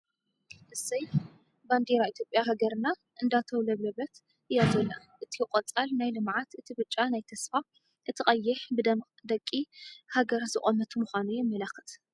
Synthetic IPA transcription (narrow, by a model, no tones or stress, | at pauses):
ʔɨsɐj | band̪eɾait̪ʰjo̞pʼjaɦaɡɐɾɨna | ʔɨnd̪at̪ʰɐwlɐβlɐβɐt̪ | ʔɨjazɐlːa | ʔɨt̪ʰijɪqʼɐt͡sʼalnajlɨmʕat̪ɨt̪ʰibɨt͡ʃʼːanajt̪ʰɐsfa | ʔɨt̪ʰɨχʼɐjːɪħb | d̪ɐkʼːihaɡɐɾzɨχʼɐmɐt̪ʰumuxʷanujɛmːɐlaxɨt̪